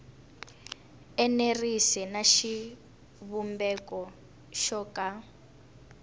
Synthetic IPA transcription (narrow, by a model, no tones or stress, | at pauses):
ɛnerisɛnaʃi | βumbɛkɔ | ʃɔka